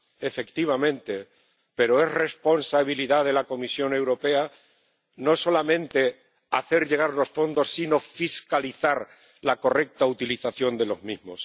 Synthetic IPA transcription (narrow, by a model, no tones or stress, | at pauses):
e̞fe̞kt̪iβ̞amẽ̞nt̪e̞ | pe̞ɾo̞e̞sre̞spo̞nsaβ̞iliðaðe̞lako̞misjo̞ne̞wɾo̞pe̞a | no̞so̞lamẽ̞nt̪e̞ | aθe̞ɾʎe̞ɣaɾlo̞sfo̞nd̪o̞sːino̞fiskaliθaɾ | lako̞re̞k̚t̪aut̪iliθaθjo̞nd̪e̞lo̞zmizmo̞s